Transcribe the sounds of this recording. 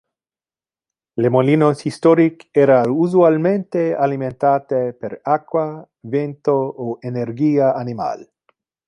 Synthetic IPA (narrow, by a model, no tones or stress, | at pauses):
lemoliːnosist̪oɾikeːɾauzualmẽnt̪ealiment̪aːt̪epeɾakːwa | vent̪ooʔenerɡiːaanima̰l